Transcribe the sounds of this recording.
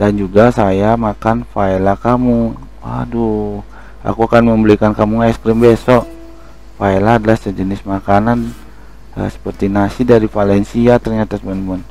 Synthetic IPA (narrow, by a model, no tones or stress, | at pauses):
dand͡ʒuɡasajamakanfaelakamʊŋ | wa̰du | ʔa̰kuakanməmbəlikankamuŋɛskɾɪmbesɔʔ | faelaːdalahsəd͡ʒənɪsmakanan | ə̰sə̥pərt̪inasidaɾifalɛnsiat̪ərɲat̪asəmɛnmun